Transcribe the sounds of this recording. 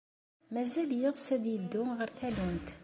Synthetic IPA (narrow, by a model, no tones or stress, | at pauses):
mæzæljəðˤsæðjəd̪ːʊmʁəɾθælunt̪